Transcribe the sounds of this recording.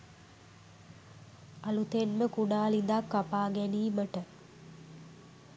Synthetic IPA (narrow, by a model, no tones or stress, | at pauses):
alut̪enməkuɖaːlid̪akːapaːɡæniːməʈə